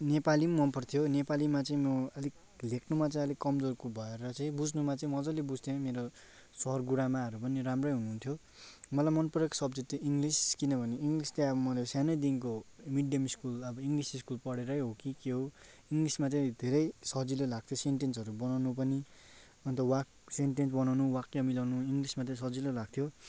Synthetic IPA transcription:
nepalimʌnpʌrt̪ʰjonepalimat͡sʌĩmʌʌli | lekʰnumat͡sãĩʌlikʌmd͡zorkubʱʌeɾʌt͡sʌ̃ĩbud͡znumat͡sʌĩmʌd͡zʌ̃lebud͡zʱt̪ʰemeɾo | sʌɦʌrɡuɽamaʌɾupʌniɾamrʌjɦunuɦunt̪ʰjo | mʌlajmʌnpɾʌksʌbd͡zit̪ːiiŋɡliskinʌbʱʌneiŋɡlist̪eʌbʌmʌlesjanʌjd̪inkomiɖjʌmiskulʌbʌiŋɡlisiskulpʌɽeɾʌjɦokikeɦo | iŋɡlismat͡sʌĩd̪ʱeɾʌjsʌd͡zilelaɡ̚t̪ʰjoseɳʈensʌɾubʌnawnup̬ʌni | ʌnt̪ʌwak | seɳʈensbʌnawnuwakːeʌmilawnuiŋɡlismat͡sʌĩs̬ʌd͡zilolaɡ̚t̪ʰjo

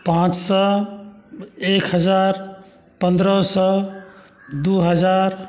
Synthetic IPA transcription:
pãt͡ʃsə | ekɦəd͡ʒaɾ | pənd̪ɾəsə | d̪uɦəd͡ʒaɾ

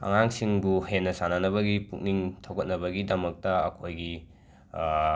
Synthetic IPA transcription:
ɐ̰ŋaŋsiŋbuhetnɐsananɐβɐɡipuk̚niŋtʰowkɐt̚nɐbɐɡidɐmɐk̚tɐɐkʰojɡi

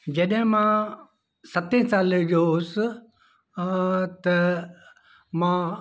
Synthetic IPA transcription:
d͡ʒeɗɦẽmã | sɐt̪ẽsaːld͡ʒos | t̪ɐ | mã

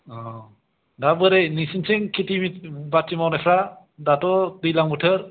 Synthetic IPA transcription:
ɔ | dabɯɾejnisinseŋkʰitʰimitbatːimawnapʰɾa | datɔdɯjlaŋbutʰɯɾ

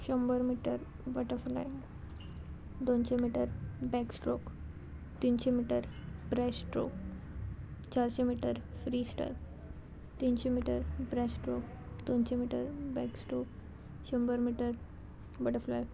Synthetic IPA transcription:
ɕəmbəɾmiʈəɾ | bəʈəfla̰j | d̪onɕemiʈəɾbɛksʈɾok | t̪inɕemiʈəɾbɾɛsʈɾo̰k̚ | t͡ɕaɾɕemiʈəɾfɾiːsʈə̰ɾ | t̪inɕemiʈəɾbɾɛsʈɾok̚ | d̪ont͡ɕemiʈəɾbɛksʈɾok | ɕəmbəɾmiʈəɾ | bəʈəflaj

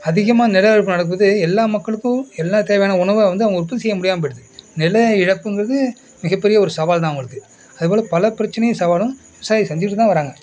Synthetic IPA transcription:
ɐðɪɣɐmaːnɪlɐɪɻɯpːɯnɐɽɐkːɯʋɐðɯɛlːaːmɐkːɐɭɯkːʊ̃ɛlːaːt̪eːʋɐjaːnɐʊɳɐʋɐʋɐnd̪ɯɐʋɐŋɡʊɾɯpːɐt̪ːɪsɛjːɐmʊɽɪjaːmpɐɽɯðɯnɪlɐɪɽɐpːɯŋɡɪɾɐðɯ | mɪɣɐpːɛɾɪjɐɔɾɯsɐʋaːlt̪̬ãːʋʊŋɡɐɭɯkːɯ | ɐðɯpoːlɐpɐlɐpɪɾɐt͡ʃːɐnɐjʊ̃sɐʋaːlʊ̃ʋɪʋɐsaːjɐsɛɲd͡ʒɪkʈːɯt̪ːãːʋɐɾaːŋɡɐ

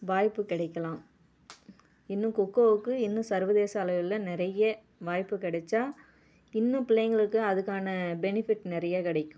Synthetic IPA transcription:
ʋaːjpːɯkɪɽɐɪkːɐlãːm | ɪnːɯ̃kɔkːoːʋɯkːɯɪnːɯ̃sɐɾʋɐðeːsɐːlɐʋɪlɐnɪɾɐjɐ | ʋaːjpːɯkɪɽɐt͡ʃːaː | ɪnːɯ̃pɪlɐjŋɡɐɭɯkːɯɐðɯkːaːnɐbɛnɪfɪʈːnɪɾɐjaːkɪɽɐɪkʲːʊ̃

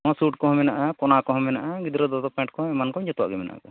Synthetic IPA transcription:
ɔ̃suʈkɔ̃ɦɔmɛnaʔakɔnakɔɦɔmɛnaʔaɡid̪ɾɔd̪ɔd̪ɔpɛ̃ɳʈ̚kɔ̃ɛmankɔ̃ɲd͡ʒɔt̪wa̰ʔɡɛmɛna̰ʔka

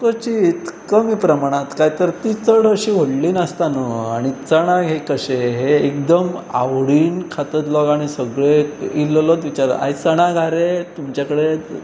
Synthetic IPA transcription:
kət͡ɕiːt̪kəmipɾəmaɽ̃ãt̪kajt̪əɾt̪it͡səɽəɕiɦoɽliːnəst̪anəaɽ̃it͡səɽ̃aɡɦekəɕeɦeːkd̪əma̰wɽiːnkʰat̪ət̪lɔɡaɽ̃isəɡɭeillɔt̪ʋit͡ɕaɾə̰ʔa̰jt͡səɽ̃aɡʱaɾet̪umt͡ɕjakəɽe

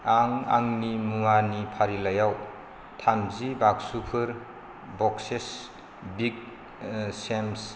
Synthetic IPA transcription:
aŋa̰ŋnimuanipʰaɾilajaw | tʰamzibaksupʰɯɾ | bɔkses | biɡ̚ | sems

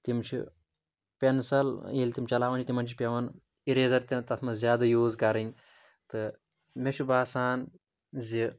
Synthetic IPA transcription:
t̪imt͡ʃʰḭ | pʲensɐleːlʲt̪imt͡ʃɐlaːʋɐnt͡ʃit̪imɐnt͡ʃʰi̥pʲeʋɐn | iɾeːzɐɾt̪ʲɐnt̪ɐt̪ʰmɐzʲjaːd̪ɐjuːzkɐɾiŋ | t̪ɨ | mʲeʃʰubaːsaːn | zi

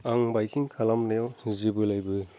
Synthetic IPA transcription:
aŋbajkʰiŋkʰalamnejɔzibɯlajbɯ

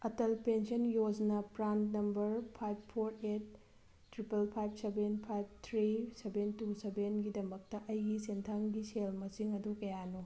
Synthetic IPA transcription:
ɐtɐlpensɐnjoznɐpɾantnɐmbɐɾpʰajb̚pʰːoɾet̚ː | ɾipɐlpʰajb̚sebenpʰajb̚t̪ʰɾisebentusebenɡidɐmɐk̚tɐʔɐjɡisentʰaŋɡiselmɐsiŋɐdukɐjanu

